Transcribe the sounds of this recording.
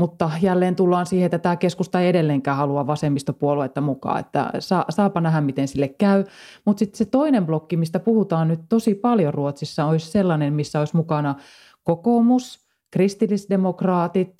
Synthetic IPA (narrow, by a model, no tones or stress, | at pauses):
mut̪ːɑjælːeːnt̪ulːɑːnsiːheet̪ːæt̪æːkeskust̪ɑeiedelːeːŋkæːhɑluɑʋɑsemːist̪opuoluet̪ːɑmukɑ̰ːḛt̪ːæ̰sɑːsɑːpɑnæɦæmmit̪ensilːekkæymut̪sit̪set̪oinemblokːimist̪æpuhut̪ɑːnnyt̪t̪osipɑljoruot̪sisːɑoisselːɑnemmisːæoismukɑnɑ | kokoːmus | krist̪ilːisdemokrɑːt̪it̪